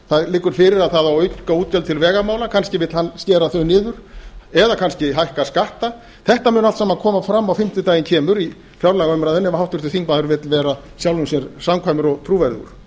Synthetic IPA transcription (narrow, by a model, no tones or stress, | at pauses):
θaðlɪːkːʏɾ̥fɪɾɪɾaðθaðawœɥkauːt̪̚cɛlt̪ʰɪlvɛːɣamaːwlakʰanscɪvɪt̪hanscɛːɾaθœɥnɪːðʏɾ̥ɛðakʰanscɪɦajhkaskaht̪a | θɛht̪amʏːnalt̪saːmakʰɔːmafɾamːawfɪm̥t̪ʏt̪aːjɪncʰɛːmʏɾi | fjawɾlaɣaœʏjmɾaðɛnːɛmahawht̪vʏ̥ɾt̪ɪθiŋkmaðʏɾvɪːt̪lvɛːɾa | sjawlʏnsjɛɾsamkʰvajmʏɾɔɣt̪ʰɾuːvɛɾðʏ̰ɾ̥